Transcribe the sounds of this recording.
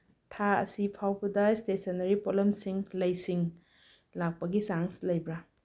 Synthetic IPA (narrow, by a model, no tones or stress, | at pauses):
tʰaɐ̰sipʰawbɐdɐstesonɐɾipolemsiŋlɐjsiŋ | lak̚pɐɡisaŋslɐjbɾa